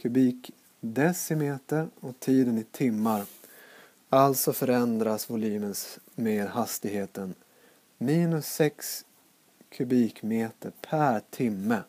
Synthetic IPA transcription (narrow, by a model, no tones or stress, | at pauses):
kʰɵbiːk | d̪ɛsɪmeːt̪əɾɔt̪ʰiːd̪ənɪt̪ʰɪmːaɾ | alt̪sɔfœɾɛnd̪ɾasvʊliːməns | meːɾhast̪ɪɡheːt̪ən | miːnɵsːɛks | kʰɵbiːkmeːt̪əɾpʰæɾt̪ʰɪmːə